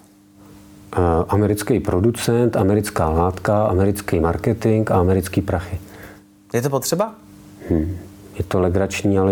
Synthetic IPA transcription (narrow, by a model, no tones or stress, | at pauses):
ʔamɛɾɪt͡skɛjpɾo̞dut͡sɛnt̪ʔamɛɾɪt͡skaːlaːt̪kaʔa̰mɛɾɪt͡skɛjmaɾkɛt̪ɪŋkaamɛɾɪt͡skiːpɾaxɪ | jɛt̪opot̪r̥ɛba | mm̩ːjɛt̪olɛɡɾat͡ʃɲiːalɛ